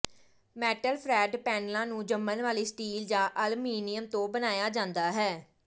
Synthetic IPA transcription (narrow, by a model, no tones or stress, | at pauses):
mɛːʈəlpʰɾɛːɖpɛːnlãːnũːd͡ʒəmːənʋaːliːsʈiːld͡ʒãːʔəlmiːnɪjəmt̪õːbənaːjaːd͡ʒãːnd̪aːɦɛː